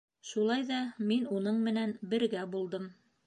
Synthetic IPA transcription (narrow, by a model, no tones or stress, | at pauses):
ʃulˠɑjðɑminunɤɴmɘ̆nænbɘ̆ɾɡæbulˠd̪ɤm